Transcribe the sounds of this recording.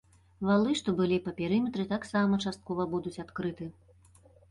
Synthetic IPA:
valˠɨʂt̪ɔbɨlʲipɐpʲɛɾɨmʲɛt̪ɾɨt̪aksamɐt͡ʂast̪̚kɔvɐbud̪ut͡sʲat̪kɾɨt̪ɨ

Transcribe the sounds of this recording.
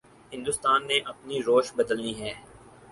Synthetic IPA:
ɦɪ̃nd̪ʊst̪aːnːeʔɐpniɾoːʃbɐd̪əlniɦɛː

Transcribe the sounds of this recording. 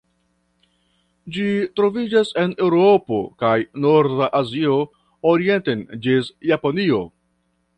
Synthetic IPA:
d͡ʒitɾo̞vid͡ʒase̞ne̞wɾo̞po̞kajno̞ɾdaʔazio̞ | oɾie̞ntend͡ʒisjaponio̞

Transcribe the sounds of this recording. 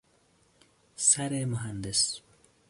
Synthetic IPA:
sɐɾemʊɦɐnd̪ɪs

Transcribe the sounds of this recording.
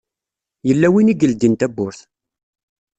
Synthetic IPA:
jəlːæwiniɡəld̪int̪æbːʊɾθ

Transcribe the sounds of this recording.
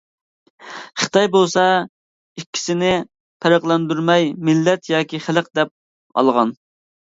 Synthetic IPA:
χɨ̥t̪ʰɑjbolˠsɑ | ikʲʰːi̥sɪnɪ | pʰæɾæqlˠɛnd̪yɾmɛjmɪlːɛt̪jɑːkʲʰiχæləq̚d̪ɛp̚ | ɑ̰lˠʁɑn

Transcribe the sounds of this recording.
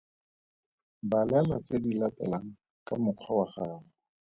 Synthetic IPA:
balɛlat͡sedilatɛ̰laŋ̩ | kamʊkʰwawaχaːlɔ

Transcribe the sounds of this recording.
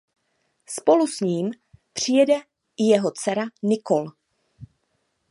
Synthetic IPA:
spo̞lusɲiːm | pr̝̥ɪjɛdɛ | ɪjɛɦo̞t͡sɛɾanɪkol

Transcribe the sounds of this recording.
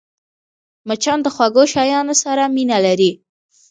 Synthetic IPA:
mat͡ʃɑnd̪əxwaɡoʃɑjɑnosaɾaminalaɾi

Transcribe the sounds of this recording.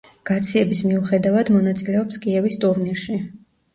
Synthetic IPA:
ɡ̥at̪sʰiɛbismiuχɛd̪avad̪mɔnat̪sʼilɛɔpskʼiɛvist̪ʼuɾniɾʃi

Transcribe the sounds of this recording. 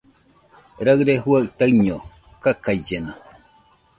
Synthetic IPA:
ɾaɰɾeɦuaʔt̪aɰɲo | kakaid͡ʒena

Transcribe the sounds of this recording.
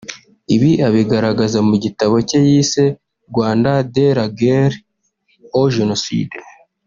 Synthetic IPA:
iβiʔaβiɡaɾaɡazamuɟitaβo̞cejise̞ | ɾɡwaːndadeɾaɡeɾ | oʒenosḭde

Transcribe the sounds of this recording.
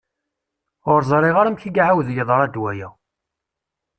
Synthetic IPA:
ʁʊɾzˤɾˤɪʁaɾəmçiɡʕawðjəðˤəɾˤæd̪wæjæ

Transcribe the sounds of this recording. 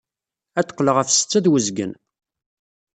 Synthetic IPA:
æt̪ːə̥qːləʁæfsə̥t͡sːæðwəzɡə̰n

